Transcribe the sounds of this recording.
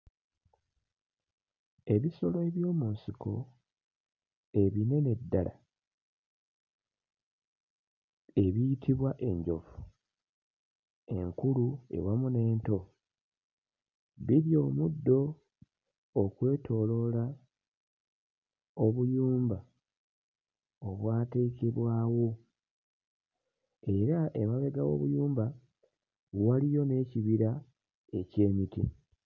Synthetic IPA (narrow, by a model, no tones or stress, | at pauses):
e̞βiso̞lo̞e̞βjo̞ːmuːnsiko̞ | e̞βine̞ne̞dːala̰ | e̞βijitʰiβwaʔe̞ɲɟo̞fu̥ | e̞̰ŋkulue̞̰wamune̞ːnto̞ | βiβjo̞ːmudːo̞ | kwe̞ːtʰo̞lo̞la | oβujuːmba | oβwaːte̞ːkeβwaːwo̞ | e̞ɾaʔemaβe̞ɡawo̞̰βujuːmba | walijo̞ne̞ːciβiɾa | e̞ce̞ːmitḭ